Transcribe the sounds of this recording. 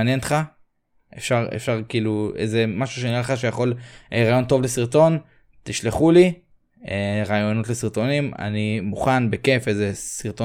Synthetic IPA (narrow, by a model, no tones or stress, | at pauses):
njent̪χa | ʔḛfʃaʁḛfʃaʁkiːluejzemaʃu̥ʃeniʁaleχaʃejaχo̞leʁaːjo̞nt̪o̞vle̞siʁt̪o̞n | t̪iʃleχuli | eʁaːjo̞no̞t̪le̞siʁt̪o̞nima̰nimuχanbeke̞fejzesiʁt̪o